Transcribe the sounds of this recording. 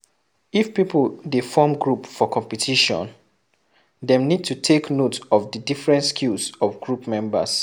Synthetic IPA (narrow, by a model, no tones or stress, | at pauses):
ifpipldefɔmɡɹupfɔkʰɔ̃mpitʰiʃɔ̰̃n | dɛ̃mnid̚tutʰeknotɔvdədifɹɛ̃ntskʰilsɔvɡɹupmɛ̃mbə̰s